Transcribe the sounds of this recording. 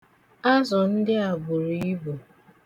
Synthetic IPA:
a˦zɔ˨n̩˦dɪ˦a˨bʊ˨ɾu˨i˦bo˨

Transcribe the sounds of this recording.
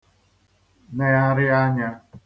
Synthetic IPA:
ne˦a˦ɾɪ˦a˦ɲa˦

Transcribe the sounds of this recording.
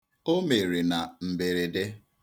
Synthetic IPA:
o˦me˨ɾe˨na˨m̩˨be˨ɾe˨de˦

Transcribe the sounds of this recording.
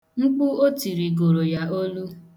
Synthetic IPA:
ŋ͡m̩˦k͡pʊ˦o˦ti˨ɾi˨ɡo˨ɾo˨ja˨o˦lu˦

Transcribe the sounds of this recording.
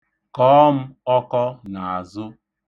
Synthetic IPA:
kɔː˦m̩˦ɔ˦kɔ˦na˨a˨zʊ˦

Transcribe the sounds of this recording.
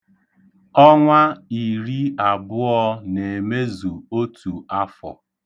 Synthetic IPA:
ɔ˦ŋʷa˦i˨ɾi˦a˨bʊ˦ɔ˦ne˨me˦zu˨o˦tʰu˨a˦fɔ̰˨

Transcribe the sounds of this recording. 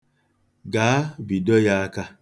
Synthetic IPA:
ɡaː˨˦bi˨dɔ˦ja˦ka˦

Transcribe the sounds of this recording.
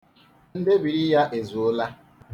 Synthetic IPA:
n̩˦de˦bi˨ɾi˦ja˦ʔe˨zu˨ʊ˦la˦

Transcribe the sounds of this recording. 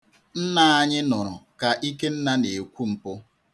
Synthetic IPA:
n̩˦na˦a˦ɲɪ˦nʊ˨ɾʊ˨ka˨ʔi˦ke˦n̩˦na˦ne˨kʷu˦m̩˨pʊ˦

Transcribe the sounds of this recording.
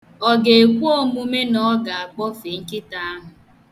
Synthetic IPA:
ɔ˨ɡe˨e˨kʷu˦o˦mu˦me˦nɔ˦ɡa˨a˨k͡pɔ˦fe˨ŋ̩˦kɪ˦ta˦a˦ɦʊ˨

